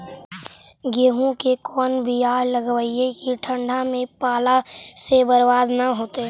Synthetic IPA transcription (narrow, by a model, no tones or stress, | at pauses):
ɡeːɦõkekɔːnbʱiaːləɡʋəiekiʈʰə̃ɳɖʱamẽpaːlasebəɾʋaːd̪naɦoːt̪eː